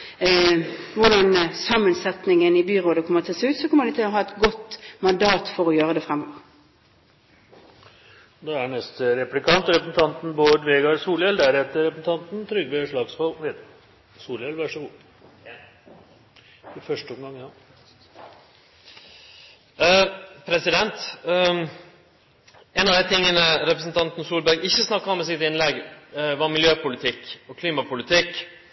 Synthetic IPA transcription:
ʋʊʁɖɑnsɑmənsɛt̪nɪŋənɪbyʁoːd̪əkʰɔmːət̪ʰɪlsʉːt̪sɔkɔmːəʁd̪ɪt̪ʰɪlɔɦɑːɛt̪ɡɔt̪ːmɑnd̪ɑːt̪fɔʁɔjøːʁəd̪ɛfʁɛmːoːʋəʁ | d̪ɛæɳɛst̪əɾɛplɪkʰɑnt̪ɾɛpɾəsn̩t̪ɑnt̪n̩boːd̪ʋeːɡɑɾsuːljɛld̪æɾɛt̪ːəɾɛpɾəsn̩t̪ʰɑnt̪n̩t̪ʰɾʏɡʋeʂɭɑːɡspɔlʋed̪ | suːljɛlʋæʂəɡuː | ɪfœʂʈəɔmɡɑŋːjɑ | pʰɾɛsɪd̪ɛnt̪ | eːnɑʋd̪æɪt̪ʰɪŋːənəɾɛpɾəs̬n̩t̪ʰɑnt̪n̩suːlbæɾɡɪçːəsnɑkːɑɔmɛsɪt̪ɪnlɛɡʋɑɾmɪljøːpʊlɪt̪ʰɪkːɔkʰliːmɑpʊlɪt̪ʰɪk

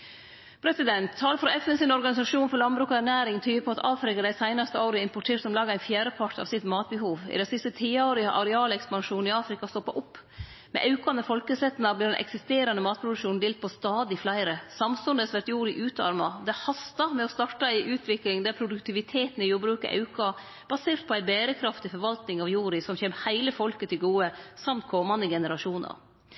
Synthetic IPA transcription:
pʰɾɛsɪd̪ɛnt̪ʰːɑːləfɾɔɛfɛnsɪnɔɾɡɑnɪsɑʂuːnfɔɾɭɑnbɾʉːkɑæɾɳæːɾɪŋt̪ʰyːəpʰɔɑt̪ɑːfɾɪkɑd̪æɪsæɪnɑst̪əoːɾəɪmpʊʈʰeːʈsɔmlɑːɡæɪnfjæːɾəpʰɑʈʰɑ̰ʋsɪt̪mɑːt̪̚bəhuːʋɪ̰d̪ɛsɪst̪ət̪ʰiːoːɾɪɑʔɑɾɛɑːlɛkspɑnʂuːnɪɑːfɾɪkɑst̪ɔpːɑʔʊpː | mɛ̰ʔɑʉkɑnəfɔlkəsɛt̪ːnɑblɪːɖɛnʔɛ̰ksɪst̪eːɾɑnəmɑːt̪̚pʰɾʊd̪ʉkʂuːnn̩d̪eːlt̪̚pʰɔst̪ɑːd̪ɪflæɪɾəsɑmsʉnd̪əsʋæɾʈ̪juːɾɪʔʉːt̪ɑ̰ɾmɑd̪ɛæhɑst̪ɑmɛɔst̪ɑʈːɑɪʔʉːt̪ʰʋɪklɪŋd̪ɛpʰɾʊd̪ʉkt̪ʰɪʋɪt̪ʰeːt̪n̩ɪjuːɾbɾʉːkɑ̰ʔɑ̰ʉkɑ | b̥ɑseːɾt̪̚pʰɔæɪbeːɾəkʰɾɑft̪ɪfɔɾʋɑlt̪nɪŋɑʋjuːɾɪsɔmçeːmhæɪləfɔlkət̪ʰɪlɡuːəsɑmt̪̚kʰɔmɑnd̪əɡɛnəɾɑʂuːnə̰ɾ

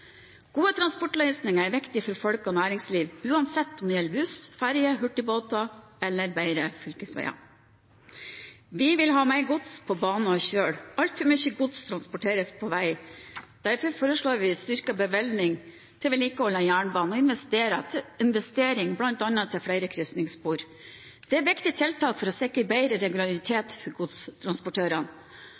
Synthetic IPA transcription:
ɡ̥uːət̪ʰɾɑnspɔʈlœʏsnɪŋɑæɾʋɪkt̪ɪfɔɾfɔlkɔnæːɾɪŋsliːʋʉːɑnsɛt̪ːɔmd̪ɪjɛlbʉsfæɾjəɦʉʈːɪboːt̪ɑ | ɛlːəɾbæɪɾəfʏlkəsʋæ̰ɪɑ̰ | ʋɪʋɪlɦɑːmæɪɡʊt̪spʰɔbɑːnɔçøːɽɑlt̪fœɾmyçəɡʊt̪st̪ʰɾɑnspɔʈʰeːɾəspʰɔʋæɪd̪̥æɾfɔɾfoːɾəʂɭoːɾʋɪst̪ʏɾkɑbəʋɛlnɪŋ | t̪ʰɪlʋɪliːkəhɔlɑjæːɳbɑːnɔɪnʋɛst̪eːɾɑt̪ʰɪɪnʋɛst̪eːɾɪŋblɑnt̪ɑnɑt̪ʰɪlfɽæɪɾəkʰɾʏst̪nɪŋspuːɾ | d̪̥ɛæɾʋɪkt̪ɪt̪ʰɪlt̪ʰɑːkfɔɾɔsɛkːəbæɪɾəɾɛɡʉlɑɾɪt̪ʰeːt̪fɔɾɡʊd̪st̪ʰɾɑnspɔʈʰøːɾɑn

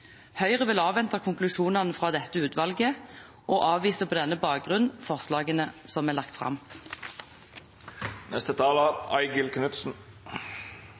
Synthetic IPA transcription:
hœʏʁəʋɪlɑːʋɛnt̪ɑkʰʊŋklʉʃuːnɑnəfʁɑːd̪ɛt̪ːəʉːt̪ʋɑlɡə | ʔoːʔɑːʋʋiːsəpʰoːd̪ɛnːəbɑːk̚ɡʁʉnfɔʁslɑːɡənəsɔmæːlɑkt̪fʁɑ̰m | nɛst̪ət̪ʰɑːləæɪɡəlkʰnʉt̪sn̩

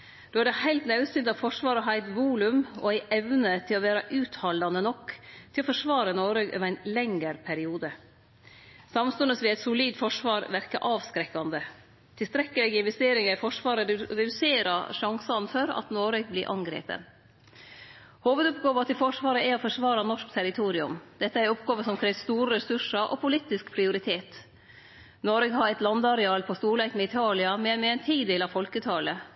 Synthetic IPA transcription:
d̪̥oːæɖɛhæɪlt̪nɑʉsʏnd̪ɑʋfɔʂʋɑːɾəɦæɪt̪ʋuːlʉmɔ̰æɪʔɛʋnət̪ʰɪlɔʋæːɾɑʔʉːt̪hɑld̪ɑnənɔkːt̪ʰɪlɔfɔʂʋɑːɾənoːɾəɡø̰ːʋɾæɪnlɛŋəɾpʰæɾɪuːd̪ə | sɑmst̪ʉnəsʋɪɛɪt̪sʊliːd̪fɔʂʋɑːɾʋæɾkɑʔɑːʋskɾɛkːɑnd̪ə | t̪ʰɪlst̪ɾɛkːəlɛɡɪnʋɛst̪eːɾɪŋɑɾfɔʂʋɑːɾəd̪ʉɾɛd̪ʉseːɾɑʂɑŋsɑnfɔɾɑ̰t̪noːɾeɡ̚blɪɾʔɑŋɡɾḛːpə̰n | hoːʋəd̪ɔpɡoːʋɑt̪ɛfɔʂʋɑːɾəæɔfɔʂʋɑːɾɑnɔʂkt̪ʰæɾɪt̪ʰuːɾɪʉmd̪̥ɛt̪ːəæɾɔpɡɑːʋəsɔmkʰɾɛːsst̪uːɾəɾɛsʉʂɑʔɔ̰pʰʊlit̪ɪskpʰɾɪʊɾɪt̪ʰeːt̪ | noːɾəɡɦɑɾɛt̪lɑnd̪ɑɾɛɑːlpʰɔst̪uːɭækmɛɪt̪ʰɑːlɪɑmɛmɛɛnt̪ʰiːd̪eːlɑʋfɔlkət̪ʰɑːlə

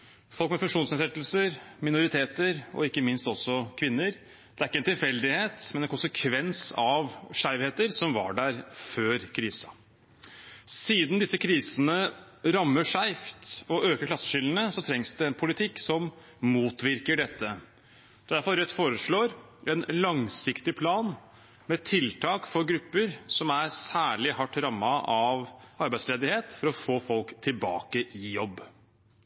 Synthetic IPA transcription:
fɔlˠkmɛfʉŋkʂuːnsɛnsɛt̪ːəl̩səɾmɪnʊɾɪt̪ʰeːt̪əɾɔ̰ɪkːəmɪnst̪ɔsːɔkʰʋɪnːəɾ | d̪̥ɛæɾɪkːəɛnt̪ɪlfɛld̪ɪheːt̪mɛnɛnkʰʊnsəkʰʋɛnsɑʋʂæɪʋheːt̪əɾsɔmʋɑ̰ɖæɾføːɾkʰɾiːsə | siːd̪nd̪ɪsːəkʰɾiːsənə | ɾɑmːəʂæɪft̪ɔøːkəkʰlɑsːə̥ʂʏlənəsɔt̪ʰɾɛŋsd̪ɛɛnpʰʊlɪt̪ʰɪkːsɔm | muːt̪ʋɪɾkəɖɛt̪ːə | d̪æɾfɔɾɾɛt̪ːfoːɾəʂɭoːɾ | ɛnlɑŋsɪkt̪ɪpʰlɑːn | mɛt̪ʰɪlt̪ʰɑːkfɔɾɡɾʉpːəɾsɔmæɾsæːɭɪhɑʈːɾɑmːɑʔɑʋɑɾbæɪsleːd̪ɪheːt̪fɔɾɔfoːfɔlkt̪ʰɪlbɑ̰ːkəʔɪjɔbː

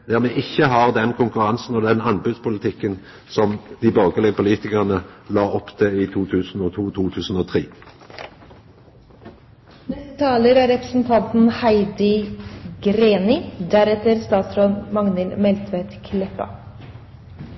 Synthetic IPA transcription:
d̪æːʁmɛʔɪçːəɦɑʁd̪ɛnkʰʊŋkʉʁɑnsn̩ɔːd̪ɛnɑnbʉd̪spʰʊlət̪ʰɪkːən | sɔmd̪̥ɪbɑːɡəlɪpʊliːt̪ɪkəʁnəlɑːɔpt̪ʰɪiːt̪ʰuːt̪ʰʉːsn̩oːt̪ʰuːt̪ʰuːt̪ʰʉːsn̩oːt̪ʰʁiː | nɛst̪ət̪ʰɑːləɾæːɾɛpɾə̥sn̩t̪ʰɑnt̪n̩hæɪd̪ɪɡɾeːnɪd̪æɾɛt̪əɾst̪ɑːt̪sɾoːnmɑŋnɛlmɛlt̪ʰʋet̪kʰlɛpɑ̰

